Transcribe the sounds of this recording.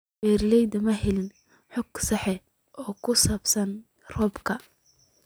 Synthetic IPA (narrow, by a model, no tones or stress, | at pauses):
bɛːrlɛjd̪ɐmɐɦɛlɪn | ħɔɡsɑħɛ | ʔɔːkʰʊsaːbsɐn | rɔːbkʰɐ